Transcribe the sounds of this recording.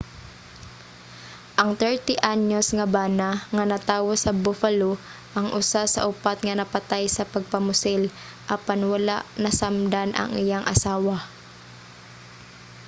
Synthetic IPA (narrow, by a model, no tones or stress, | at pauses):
ʔɐŋt̪ɛɹt̪ɪʔaɲosŋɐbaːnaŋɐnɐt̪aːwosɐbʊfɐlo | ʔɐŋʔʊsasɐ̰ʔʊpat̪̚ŋɐnɐpɐt̪ajsɐpɐɡ̚pɐmʊsɛl | ʔɐpanwɐla̰ʔnɐsamd̪anʔɐ̰ŋɪjaŋʔɐ̰saːwa